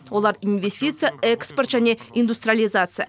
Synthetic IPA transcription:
wo̞lˠɑɾinvʲe̞sʲtʲit̪sɨjaekspo̞rt̪ʒænʲe̞ind̪ust̪ɾʲijalʲˠijzat̪sɨja̰

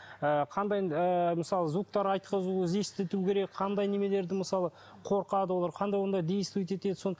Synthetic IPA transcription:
əqʰɑnd̪ɑjəməsɑlˠəzuk̚t̪ɑɾɑjt̪̚qəzuze̞st̪ɪt̪ukʲʰe̞ɾe̞kqʰɑnd̪ɑjne̞me̞le̞ɾd̪ɪməsɑlˠə | qʰo̞ɾqɑd̪əwo̞lˠɑɾqʰɑnd̪ɑjwond̪ɑd̪ejɪst̪ujt̪̬e̞t̪e̞d̪ɪso̞nə

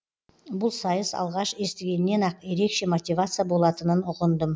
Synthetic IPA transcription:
bʊlˠsɑjəzɑ̰lˠʁɑʃe̞st̪ɪɡʲe̞nɪnːe̞nɑqje̞ɾe̞kʃe̞mo̞t̪ʲivat̪sɨjabo̞lˠɑt̪ənənʊʁənd̪əm

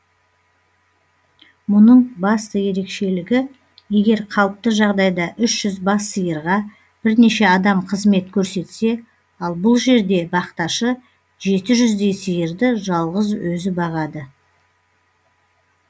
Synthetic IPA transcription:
mʊnəɴbɑst̪əje̞ɾe̞kʃe̞lɪɡʲɪ | je̞ɡʲe̞ɾqʰɑlˠəp̚t̪əʒɑʁd̪ɑjd̪ɑʔʏʃʒ̥ʏzbɑsːəjəɾʁɑ | b̥ɪɾne̞ʃe̞ɑd̪ɑmqʰəzme̞t̪kʲʰɵɾse̞t̪se̞ | ɑlˠbʊlˠʒe̞ɾd̪e̞bɑqt̪ɑʃə | ʒe̞t̪ɪʒʏzd̪e̞jsəjəɾd̪ɪʒɑlˠʁəzwɵzɪbɑʁɑd̪ə

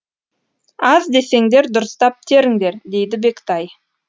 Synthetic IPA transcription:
ɑzd̪e̞se̞ŋd̪e̞ɾd̪ʊɾəst̪ɑp̚t̪ʰe̞ɾɪŋd̪e̞ɾd̪e̞jd̪ɪbe̞kt̪ɑj

